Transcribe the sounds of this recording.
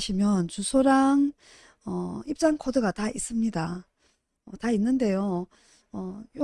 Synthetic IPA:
ɕʰimjʌnt͡ɕusʰoɾaŋ | ʌip̚t͡ɕ͈aŋkʰodɯɡatais͈ɯmɲida | ʌtainːɯnde̞jo | ʌjo

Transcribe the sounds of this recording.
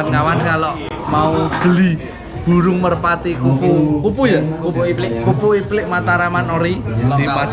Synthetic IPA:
nkawankalɔʔ | maud̪̥ə̤li | b̥ṳɾʊŋmərpat̪ikupukupujakukupuiplɪʔmat̪aɾamanoɾid̪

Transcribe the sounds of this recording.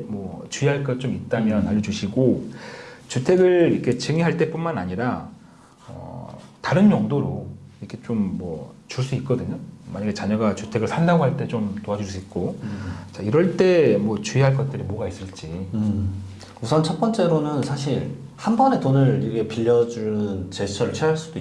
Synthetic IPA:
mwʌt͡ɕuiɦaɭk͈ʌt̚t͡ɕ͈omit̚t͈amjʌnaʎːʌd͡ʑuɕʰiɡo | t͡ɕutʰe̞ɡɯɭiʌkʰe̞t͡ɕɯŋiɦaɭt͈e̞p͈unmana̰ɲiɾa | ʌ̰taɾɯnt͡ɕʌŋdoɾoiɾʌkʰe̞t͡ɕomːʌ̰t͡ɕuɭs̬͈uit̚k͈ʌdɯɲomaɲaɡet͡ɕaɲʌɡat͡ɕutʰe̞ɡɯɭsʰandaɡoɦaɭt͈e̞t͡ɕomtoɦad͡ʑuɭs͈uik̚k͈ot͡ɕaiɾʌɭt͈e̞mwʌt͡ɕuiɦaɭk̬͈ʌt̚t͈ɯɾimoɡais͈ɯɭt͡ɕ͈i | usʰʌnt͡ɕʰʌp͈ʌnt͡ɕ͈e̞ɾonɯnsʰaɕʰiɭ | hanbʌne̞tonɯɭiɡepiʎːʌd͡ʑunɯnt͡ɕe̞t͡ɕʰʌɾt͡ɕʰeaɭs͈udoi

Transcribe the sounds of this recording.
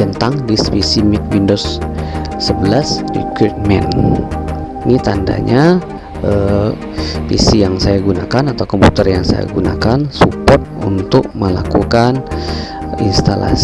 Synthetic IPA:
ənt̪aŋdispisimɛk̚windosː | əbəlasrḭkɾut̪̚mɛn | nit̪anda̰ɲa | ʔə | fisijaŋsajaɡunakanat̪awkɔmput̪ərjaŋsa̰ja̰ɡuna̰kansupɔrt̪̚ṵnt̪ʊk̚məla̰kukan | inst̪ala̰s

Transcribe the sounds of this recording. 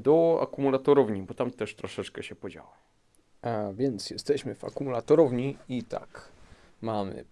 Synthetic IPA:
d̪ɔa̰kumulat̪ɔɾɔvɲibɔt̪amt̪ɛʂt̪ɾɔʂɛt͡ʂkɛɕɛpɔd͡ʑa̰wam | avʲjɛnt̪sjɛst̪ɛɕmɘva̰kumulat̪ɔɾɔvɲiit̪a̰kmamɘ̰

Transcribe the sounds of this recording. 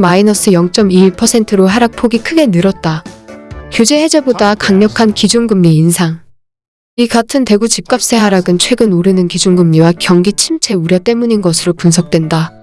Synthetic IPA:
mainʌs͈ʰɯjʌŋt͡ɕ͈ʌmiːpʰʌsʰe̞ntʰɯɾoɦaɾak̚pʰoɡikʰɯɡe̞nɯɾʌt̚t͈a | çjud͡ʑe̞he̞d͡ʑe̞bodakaŋɲʌkʰankid͡ʑunɡɯmɲiːnsʰaŋ | iɡatʰɯnte̞ɡut͡ɕip̚k͈ap̚s͈e̞ɦaɾaɡɯnt͡ɕʰwe̞ɡɯnoɾɯnɯnkid͡ʑunɡɯmɲiwakjʌŋɡit͡ɕʰimt͡ɕʰe̞uɾjʌt͈e̞muɲinɡʌsʰɯɾopuns̬ʰʌk̚t͈wenda

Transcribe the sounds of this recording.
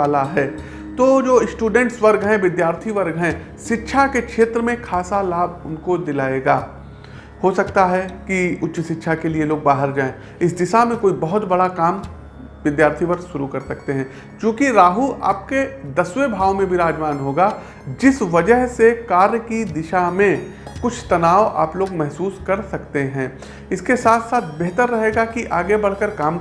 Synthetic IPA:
aːlaɦɛː | t̪oːd͡ʒoːɪsʈuːɖɛ̃ɳʈsʋɐɾɡɦɛ̃ʋɪd̪jaːɾt̪ʰiʋɐɾɡʱɦɛ̃ | ʃɪtːʃʰakekʃʰeːt̪ɾəmẽkʰaːsalaːbʱʊnkod̪ɪlaːeːɡaː | hosɐkt̪aɦɛkiʊtːʃəʃɪtːʃʰakelieloːɡ̚baːɦɪɾd͡ʒaːẽː | ɪsd̪ɪʃamẽkoːibɐɦʊt̪bɐɽakaːm | ʋɪd̪jaːɾt̪ʰipɐɾʃʊɾukɐɾsɐkt̪eɦɛ̃ː | t͡ʃõːkiɾaːɦuʔa̰ːp̚ked̪ɐswebʱaːʋmẽbʱiɾaːd͡ʒʋaːnɦoːɡa | d͡ʒɪsʋɐd͡ʒəɦsekaːɾjəkid̪ɪʃamẽ | kʊt͡ʃʰt̪ɐnaːoʔa̰ːploːɡmɛɦsuːskɐɾsɐkt̪eɦɛ̃ː | ɪskesaːt̪ʰsaːt̪ʰbeɦt̪əɾːɐɦeːɡakiʔaːɡebɐɽ̤kəɾkaːm

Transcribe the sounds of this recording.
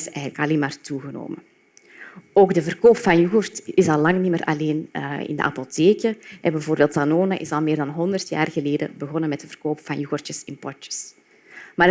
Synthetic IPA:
sɛːɣənləkɑleːnmaːrtuɣəno̰ːmə | oːɡdəvərkoːpfɑnjuɣurtɪsɑlːɑŋnimərʔɑ̰leːnəɪ̰ndə̰ʔɑ̰poteːkəɛ̰bɛvoːrbeːlˠtanoːnəʔɪ̰sɑlˠmeːrdɑnɦɔndərtja̰ːrɣəleːdə̰bəɣɔnəmɛtdəvərkoːpfɑnjuɣurtəsɪnpɔtə̥s | maː

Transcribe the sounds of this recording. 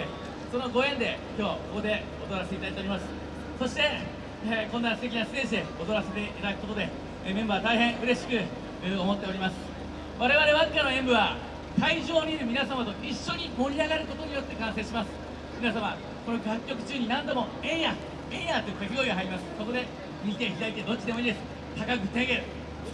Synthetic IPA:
so̞no̞ɡo̞ẽ̞nd̪e̞kʲo̞ːkoko̞d̪e̞ | ot̪o̞ɾaseit̪ait̪oɾʲimasɨ̥ | so̞ɕi̥t̪e̞ | konːasɨ̥t̪ekʲinasɨ̥t̪e̞ːɕid̪eot̪o̞ɾase̞t̪e̞it̪ad̪kɯ̥kot̪o̞d̪e̞ | mẽ̞mbaːβt̪aihẽ̞ɰ̃ʔɯ̟ɾe̞ɕi̥kɯ̟ | ɯomo̞t̪ːe̞o̞ɾimasɨ̥ | βaɾe̞βaɾe̞βakʲːenoẽ̞mbɯ̟βa | t̪aiʑo̞ːɲ̟iːɾɯ̟mʲinasamat̪o̞ʔiɕːo̞ɲ̟imo̞ɾʲiaɡaɾɯ̟ko̞t̪oɲ̟ijo̞t̪ːe̞kãɰ̃se̞ːɕimasɨ̥ | mʲinasama | ko̞no̞ɡʲakʲːo̞kɯ̟̥t͡ɕɨːɲ̟inãnd̪o̞mo̞ | ẽ̞ɰ̃ja | ẽ̞ɰ̃jat̪ːokakʲiɡoiɡaɦaɾʲimasɨ̥so̞ko̞d̪e̞ | mʲit̪e̞çit̪ait̪ed̪o̞t͡ɕːid̪emo̞iːd̪esɨ̥ | t̪akakɯ̟t̪ẽ̞ŋɡe̞ɾ

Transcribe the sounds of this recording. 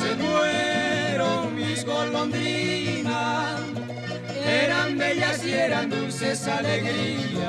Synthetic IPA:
semweɾoizɣolõnd̪ima | eɾambeʎasieɾand̪usesaleɣɾia

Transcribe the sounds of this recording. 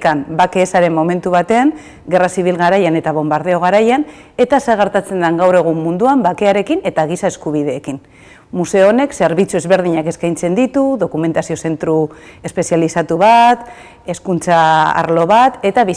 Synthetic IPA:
kambake̞ːsaɾe̞mːo̞me̞nt̪uβat̪e̞aŋ | ɡe̞rasiβ̞ilɣaɾajane̞t̪aβ̞o̞mbaɾð̞eo̞ɣ̞aɾajan | e̞t̪asaɣ̞eɾt̪at͡se̞nd̪aŋɡawre̞ɣ̞umːund̪uambake̞aɾe̞kine̞t̪aɣ̞isaeskuβ̞ið̞e̞ːkin | muse̞oone̞kse̞ɾβit͡sue̞zβe̞ɾð̞iɲake̞skajnt͡se̞nd̪it̪uðo̞kume̞nt̪asio̞se̞nt̪ɾu | e̞spe̞sialisat̪uβat̪ | e̞skunt͡saa̰ɾlo̞βat̪e̞t̪aβi

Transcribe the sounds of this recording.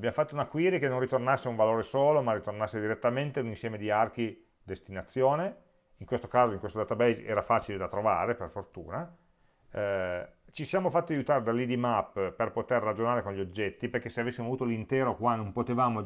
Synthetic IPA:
bjamofat̪ːounakwiːɾikenõnrːit̪ornasːeauɱvaloːɾesoːlomarːit̪ornasːed̪iɾet̪ːament̪eauninsjɛːmed̪iark̟i | d̪est̪inat̪sːjoːne | iŋkwest̪o̥kaːzoiŋkwest̪od̪aːt̪abejzɛ̰ːɾafaːt͡ʃiled̪at̪ɾova̰ːɾeperfort̪ṵːna | t͡ʃisjaːmofat̪ːiajut̪aːɾed̪alːid̪imapːperpot̪erːad͡ʒonaːɾekõnʎiod͡ʒːɛt̪ːiperkesːeavesːimoavuːt̪olint̪ɛːɾokwanompot̪evaːmo

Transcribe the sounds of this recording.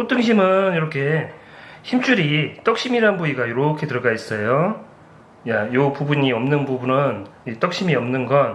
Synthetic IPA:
sotʰɯŋɕ̬ʰimɯniɾʌkʰe̞ | çimt͡ɕ͈ʰuɾit͈ʌk̚ɕ͈imiɾaɯnbuiɡajoɾʌkʰe̞tɯɭɡais͈ʌjo | jajopubuɲiʌmnɯnbubunɯnit͈ʌk̚ɕ͈imiʌmnɯnɡʌn

